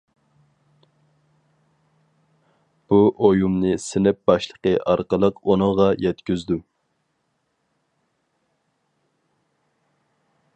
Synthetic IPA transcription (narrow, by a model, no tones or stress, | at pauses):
b̥uʔojumnɨsɪnɪp̚bɑʃlˠəqəʔɑɾqəlˠəqonʊŋʁɑjɛt̪kʲyzd̪u